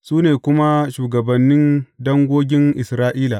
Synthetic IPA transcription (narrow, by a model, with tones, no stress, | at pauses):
suː˦neː˨kʷʊ˦ma˦ʃuː˨ɡɐ˨bɐ˨nːɪ˦ndɐ˦ŋɡʷoː˦ɡʲɪ˦ŋʔɪ˨sɾaː˦ʔiː˦la˨ʔ